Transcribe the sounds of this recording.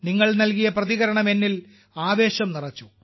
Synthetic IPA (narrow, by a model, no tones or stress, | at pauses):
niŋːɐɭnɐlkijɐprɐðiɣɐɾɐɳɐme̞nːil | aːʋe̞ːɕɐmnirɐt͡ɕːu